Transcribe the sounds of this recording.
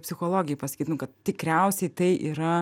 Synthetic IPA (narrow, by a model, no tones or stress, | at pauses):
pʲsʲɪxoːlˠoːɡʲɪjɛɪpɐsɐ̥kʲiːt̪nʊkɐt̪̚t̪ʲɪkɾʲɛʊsʲɛɪt̪ɐɪʔiːɾɐ